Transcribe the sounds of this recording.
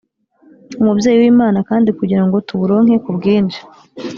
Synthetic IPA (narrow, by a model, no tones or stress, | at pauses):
umubje̞ːjiwiːmaːnakaːndikuɟiɾaŋɡo̞tuβuɾo̞ːŋ̥he̞kubɡiːnd͡ʒe̥